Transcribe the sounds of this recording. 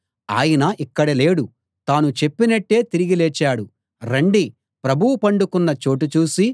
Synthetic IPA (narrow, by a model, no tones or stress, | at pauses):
a̰ːjɐnɐʔikːɐɽɐleːɽu | t̪aːnut͡ʃe̞pːinɐʈːe̞ːt̪iɾiɡilɛːt͡ʃaːɽu | ɾɐɳɖi | pɾɐbʱuwupɐɳɖukunːɐt͡ʃo̞ːʈ̬ut͡ʃuːsi